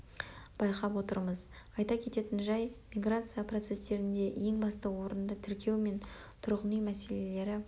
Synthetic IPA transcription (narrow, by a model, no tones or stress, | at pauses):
b̥ɑjqɑpwo̞t̪əɾməz | ɑjt̪ɑkʲʰe̞t̪e̞t̪ɪnʒɑjmʲijɡrat̪sɨjaprot̪se̞st̪e̞ɾɪnd̪e̞je̞ŋbɑst̪əwo̞ɾənd̪ət̪ʰɪɾkʲʰe̞wme̞n | t̪ʰʊɾʁənijmæse̞le̞le̞ɾɪ